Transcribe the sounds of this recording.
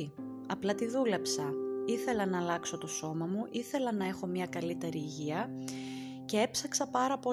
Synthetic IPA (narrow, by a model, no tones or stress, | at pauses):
ɐplɐt̪iðule̞psɐiθe̞lɐnɐːlɐkso̞t̪o̞so̞mɐmuʔiθe̞lɐnɐe̞xo̞mɲɐkɐlit̪e̞ɾiːʝiɐ | ce̞e̞psɐksɐpɐɾɐpo̞